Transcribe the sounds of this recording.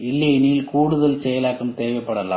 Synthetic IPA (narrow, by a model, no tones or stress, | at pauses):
ɪlːɐniːlkuːɽɯðɐlsɛjɐlaːkːɯmt̪eːʋɐɪpːɐɽɐla̰ː